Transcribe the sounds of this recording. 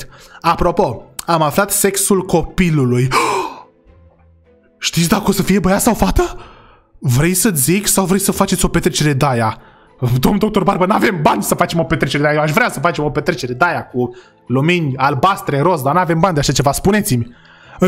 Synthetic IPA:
apɾo̞po̞amaflat̪se̞ksulko̞piluluj | ʃt̪it̪sʲd̪akəo̞səfije̞bəjat̪sawfat̪ə | vɾe̞jsət͡s̪ʲziksawvɾe̞jsəfat͡ʃet̪ʲo̞pe̞t̪ɾet͡ʃe̞ɾe̞d̪aja | d̪o̞mnd̪o̞k̚t̪o̞rbaɾrbənave̞mbanʲsəfat͡ʃe̞mo̞pe̞t̪ɾe̞t͡ʃeɾeajeoaʃvɾeasəfat͡ʃemopet̪ɾet͡ʃe̞ɾe̞d̪ajaku | luminʲalbast̪ɾe̞ɾo̞s̬d̪anuave̞mbanʲd̪eaʃat͡ʃe̞vaspune̞t̪simʲ | ɨ

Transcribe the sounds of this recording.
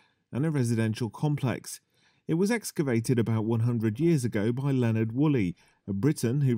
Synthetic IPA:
ʔə̃nəɹɛzɪdɛ̃nʃəlˠkʰɒ̃mpʰl̥ɛ̰ks | ɪt̚wɒzɛkskəveɪtɪɾəbaʊʔwʌ̃nɦʌ̃ndɹədjɪəzəɡəʊbaɪlɛnəd̚wʊli | əbɹɪʔn̩ɦʉ

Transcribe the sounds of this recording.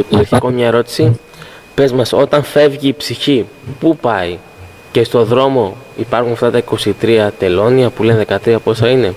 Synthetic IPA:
ipiɾçikomɲɐeɾo̞t̪i̥si | pe̞zmɐso̞t̪ɐnfe̞vʝiːpsiçi | pupɐi | ce̞st̪o̞ðɾo̞mo̞ipɐɾxunɐft̪ɐt̪ɐiko̞sit̪ɾiɐt̪e̞lo̞niɐpulenðe̞kɐt̪ɾiɐpo̞sɐine̞

